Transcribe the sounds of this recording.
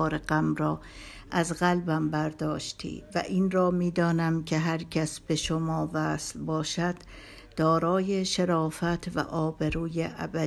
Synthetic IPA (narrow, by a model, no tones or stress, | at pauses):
ɾeɢæmɾɒː | ʔæzɣælbæmbæɾd̪ɒːʃt̪ʰḭːvæ̰ʔiːnrɒːmiːd̪ɒːnæmcʰeɦæɾcʰæsb̥e̞ʃomɒːvæːslbɒːʃæd̪̥ː | ɒːɾɒːjeʃeɾɒːfæt̪ʰvæ̰ʔɒːbeɾuːjeʔæbæ